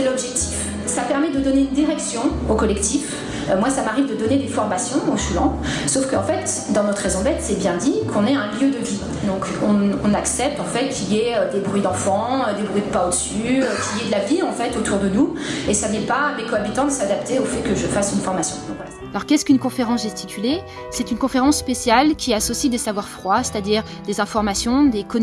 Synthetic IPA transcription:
ɛlɔbʒɛk̚t̪ʰif | sapɛʁmɛd̪əd̪ɔneynd̪iʁɛksjɔ̃okɔlɛkt̪ʰif | ømwasamaʁivd̪əd̪ɔned̪efɔʁmasjɔ̃oʃyɑ̰̃sofkəɑ̃fɛt̪ | d̪ɑ̃nɔt̪χezɔ̃d̪ɛt̪sɛbjɛ̃d̪ikʰɔ̃nɛɛ̃ljød̪əvi | d̪ɔ̃kɔ̃ɔ̃naksɛp̚t̪ɑ̃fɛt̪̚kʲʰiljɛød̪ebʁɥid̪ɑ̃fɑ̃ød̪ebʁɥid̪əpaod̪əsyøkʲiljɛd̪əlaviɑ̃fɛt̪ot̪ʰuʁd̪ənuesanɛpamekɔabit̪ɑ̃d̪əsad̪ap̚t̪eofɛkəʒəfasynfɔʁmasjɔ̰̃va | alɔʁkʲɛskynkɔ̃feʁɑ̃sʒɛst̪ikʰʲyle | sɛt̪ynkɔ̃feʁɑ̃sːpesjalkʲiasɔsid̪esavwaʁfχwase̥t̪ad̪iːʁ | d̪ezɛ̃fɔʁmasjɔ̃d̪ekɔ

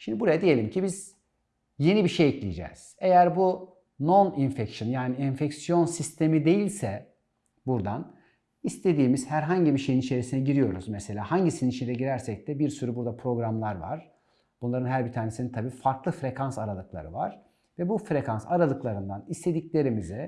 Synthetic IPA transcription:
ʃimd̪ibuɾajad̪ije̞lʲimcʰibiz̥ | je̞nibiʃejɛclʲijd͡ʒɛ̰ːz̥e̞jæɾbu | no̞ninfɛcsonjaːniɛnfɛcsijo̞nsist̪ʰe̞mid̪e̞jilʲsɛ | buɾd̪an | ist̪ʰe̞d̪iːmiz̥hæɾɦaɲɟibiʃe̞jinit͡ʃʰe̞ɾisinɛɟiɾijo̞ɾṵz̥mese̞lʲaːhaɲɟisininit͡ʃʰind̪ɛɟiɾæɾsɛc̚t̪ʰɛbiɾsyɾybuɾd̪apʰɾo̞ɡɾamlˠaɾva̰ɾ̥ | b̥unlˠaɾɯnɦæɾbit̪ʰaːnesinint̪ʰabiːfaɾklˠɯfɾe̞kʰansaɾalˠɯklˠa̰ɾɯ̰va̰ɾ̥ | vɛbufɾekʰansaɾalˠɯklˠaɾɯnd̪anist̪ʰe̞d̪iclʲe̞ɾimizɛ

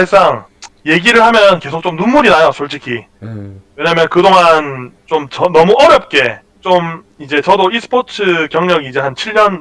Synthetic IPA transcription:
es͈aŋ | je̞ɡiɾɯɭhamjʌnke̞sʰok̚t͡ɕ͈omnumːuɾinajosʰoɭt͡ɕ͈ʰikʰi | we̞ɲamjʌnkɯdoŋant͡ɕomt͡ɕʌnʌmuʔʌɾjʌp̚k͈e̞ | t͡ɕom | id͡ʑe̞t͡ɕʌdoisʰɯ̥pʰotʰɯkjʌŋɲʌɡid͡ʑehant͡ɕʰiʎːʌn

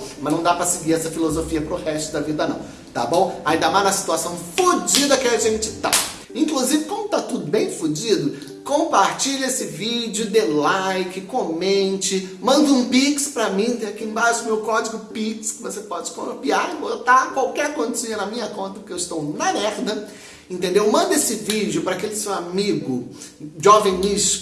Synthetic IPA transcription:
mɐznɐ̃w̃d̪apɾɐsɪɡiɾɛsɐfilozofiɐpɾʊhɛst̪ʊd̪ɐvid̪ɐnɐ̰̃w̃ | t̪a̰bõw̃aĩd̪ɐmaznɐsi̥t̪uasɐ̃w̃fod͡ʒid̪ɐkɪaʒẽnt͡ʃɪt̪a̰ | ĩŋkluzivɪkwõm̃d̪ʊt̪at̪ud̪ʊbẽj̃fud͡ʒid̪ʊ | kõpaɾt͡ʃiʎesɪvid͡ʒʊd̪elajkɪkomẽnt͡ʃɪmɐ̃nd̪ũpikspɾɐmĩẽakiẽbaʃd̪ʊmewkɔd͡ʒiɡʊpikskɪvosepɔd͡ʒɪkoɾopiaɾbot̪akwawkɛɾkõd͡ʒ̪ɪsĩɐnɐmĩɲɐkõnt̪ɐpʊ̥ɾkewɪst̪ownɐmɛɾd̪ɐ | ẽnt̪ẽnd̪ewmɐ̃nd̪esɪvid͡ʒjʊpɾɐakelɪsewamiɡʊʒovẽniʃ

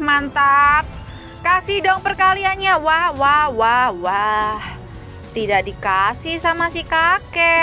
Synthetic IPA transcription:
mant̪at̪̚ | kasihdɔŋpərkalianɲawahwahwahwah | t̪idaʔdikasɪhsamasikakɛ

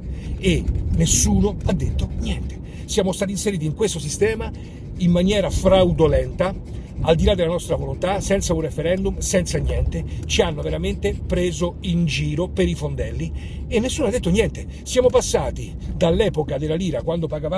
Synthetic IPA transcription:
enesːuːnoad̪ːet̪ːonjɛnt̪e̥ | sjaːmost̪aːt̪inseɾiːt̪iŋkwest̪os̬ist̪ɛːma | imːanjɛːɾafɾawd̪olɛnt̪a | ald̪ilad̪ːelanɔst̪ɾavolont̪asɛnt̪saunrefeɾɛnd̪umsɛnt̪sanjɛnt̪et͡ʃianːoveɾament̪epɾeːzoind͡ʒiːɾopeɾifond̪erlːi | enːesːuːnoad̪ːet̪ːonjɛnt̪e | sjaːmopasːaːt̪i | d̪alːɛːpokad̪elːaliːɾakwand̪opaɡava

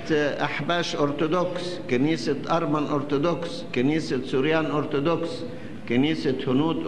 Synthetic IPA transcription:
ʔaħbaːʃʔoɾt̪ʊd̪okskɪniːsaʔɑɾˤmanʔoɾt̪ʊd̪oks | kɪniːsasuɾjaːnʔoɾt̪ʊd̪oks | kɪniːsahʊnuːd̪

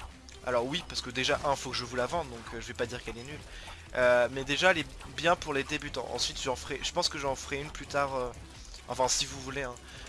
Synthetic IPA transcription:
a̰lɔʁwipaʁsə̥kəd̪eʒaʔɛ̃fokəʒəvulavɑ̃d̪d̪ɔ̃kʰøʒəvɛpad̪iʁkɛlɛnyl | ømɛd̪eʒale | bjɛ̃puʁled̪ebyt̪ɑ̰̃ʔɑ̰̃sɥit̪ʒəɑ̃fʁɛʒ̥əpɑ̃skəʒɑ̃fəʁɛynplyt̪aʁø | ɑ̰̃fɛ̃sivuvuleɛ̃

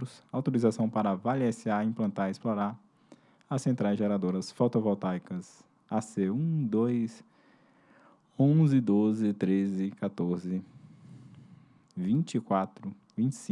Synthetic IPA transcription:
ɾʊsawt̪oɾizasɐ̃w̃paɾɐvalɛsɪaĩmplɐ̃nt̪aɾɪsploɾaɾ | ɐsẽnt̪ɾajzʒɛɾad̪oɾɐsfot̪ovɔwt̪ajkɐs | aseũd̪ojs | õzɪd̪ozɪt̪ɾezɪkat̪oɾzɪ | vĩt͡ʃɪkwat̪ɾʊ | vĩt͡ʃɪ̥sĩ

